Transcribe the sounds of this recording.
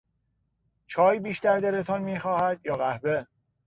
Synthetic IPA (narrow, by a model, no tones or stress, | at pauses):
t͡ʃʰɒːjbiːʃt̪æɾd̪æɾet̪ʰɒnmiːxɒːhæd̪̥jɒːɣæhbe